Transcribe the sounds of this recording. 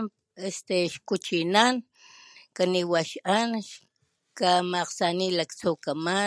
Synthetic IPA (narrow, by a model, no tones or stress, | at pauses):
est̪eʃkut͡ʃinan | kaniwaʃʔanʃ | kamaqsanilakt͡suːkama